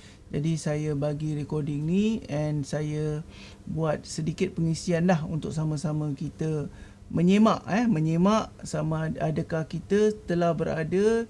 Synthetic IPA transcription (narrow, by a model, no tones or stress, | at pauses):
d͡ʒadisajabaɡiɾɛkɔrdɪŋniɛnsajə | buat̪̚sədikɪt̪̚pəŋisianlahṵnt̪ʊk̚samə̃samə̃kit̪ə | mə̃ɲemaʔɛhmə̃ɲemaʔsamãadəkahkit̪əət̪əlahbəɾadə